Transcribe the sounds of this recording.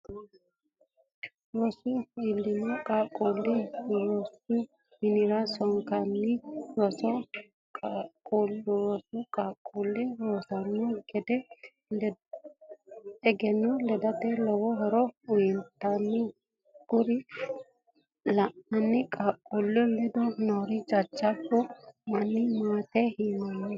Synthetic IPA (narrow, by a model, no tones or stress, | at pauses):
ɾɔsʊɪlːɪnʊkʼaːkʼːulːɪɾɔsʊ | mɪnɪɾasɔŋkanːɪɾɔsɔ | kʼakʼulɾɔsʊkʼaːkʼːulːɛɾoːsɐnːɔɡɛd̪ɛ | lɛ | ɛɡɛnːɔlɛd̪ɐt̪ɛlɔwɔɦɔɾɔʊjɪnt̪ːanːɔ | ɡ̥ʊɾɪ | lɐʔɐnːɪkʼaːkʼːulːɛlɪd̪ɔnɔɾɪd͡ʒʼɐt͡ʃʼːɐbːɔmɐnːɪmaːt̪ɛhinɐnːɛ